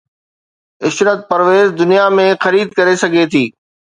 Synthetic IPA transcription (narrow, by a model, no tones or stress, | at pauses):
ɪʃɾət̪̚pɐɾʋeːzd̪ʊnijamẽxɐɾiːd̪̚kɐɾesɐɡʱet̪ʰiː